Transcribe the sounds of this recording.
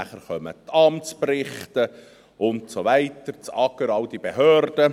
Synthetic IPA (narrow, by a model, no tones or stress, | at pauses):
æχəɾχœmə̰tʰɑmtt͡sprɪχtə | ʔʊntsoʋæɪtəɾt͡sɑɡəɾɑld̥ibeɦøːrd̥ə